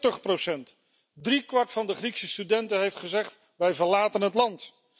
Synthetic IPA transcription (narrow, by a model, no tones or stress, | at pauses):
təχprosɛnt | drikʋɑɹtfɑndəχriksəstydɛntənɦejftχəzɛχt | ʋɛjvəɹlaːtənɦətlɑnt